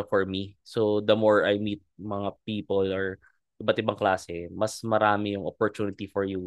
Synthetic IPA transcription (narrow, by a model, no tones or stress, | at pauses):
fɔɹmisod̪ɐmoɹajmiːt̪̚mɐŋapiːpɔlɔɹ | ʔɪbɐt̪ɪbaŋklaːsɛmɐsmɐɾaːmɪjʊŋɔpɔɹt̪uːnɪt̪ifɔɹju